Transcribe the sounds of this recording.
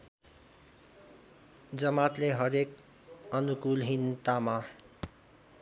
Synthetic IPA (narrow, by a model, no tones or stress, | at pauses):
d͡zʌmat̪leɦʌɾek | ʌnukulɦint̪ama